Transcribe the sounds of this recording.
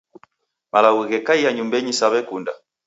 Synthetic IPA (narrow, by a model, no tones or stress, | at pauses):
malaɣwiɣɛkaijaɲumbɛɲisaβɛkunda